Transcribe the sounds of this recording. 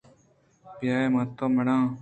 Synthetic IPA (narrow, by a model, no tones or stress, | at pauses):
pɪjaːeːmãːt̪oːməɽãː